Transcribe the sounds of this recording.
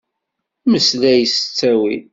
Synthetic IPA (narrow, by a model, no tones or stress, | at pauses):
məslæjəsə̥t͡sːæwin